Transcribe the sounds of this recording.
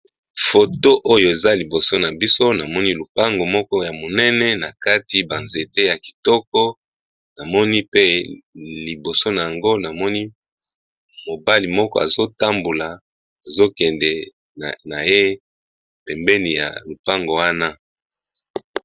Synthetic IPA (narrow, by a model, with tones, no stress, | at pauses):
fo˨to˦ʔo˦jo˨e˨za˦li˨bo˨so˦na˨bi˦so˦na˨mɔ˦ni˦lu˨pa˦ŋɡo˨mɔ˦kɔ˦ja˨mo˨nɛ˦nɛ˦na˨ka˦ti˨ba˨nze˨te˦ja˨ki̥˨tɔ˦kɔ˦ | na˨mɔ˦ni˦pe˦li˨bo˨so˦na˨ja˨ŋɡo˦na˨mɔ˦ni˦ | mo˨ba˦li˨mɔ˦kɔ̰˦a˨zo˦ta˦mbo˨la˨ | a˨zo˦kɛ˨ndɛ˨ | na˨je˦ | pɛ˨mbɛ˦ni˨ja̰˨lu˨pa˦ŋɡo˨wa˦na˦